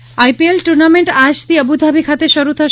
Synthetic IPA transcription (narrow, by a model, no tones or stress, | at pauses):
ajpielʈuɾnameɳʈaʃt̪iəbud̪ʱabʱikʰat̪eʃɔɾut̪ʰa